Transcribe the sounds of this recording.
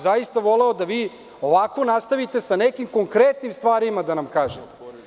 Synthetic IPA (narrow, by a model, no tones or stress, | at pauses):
zajist̪aʋo̞leod̪aʋiː | o̞ʋako̞nast̪aʋit̪e̞sanekimko̞ŋkɾet̪nimst̪ʋaːɾimad̪anamkaːʒet̪e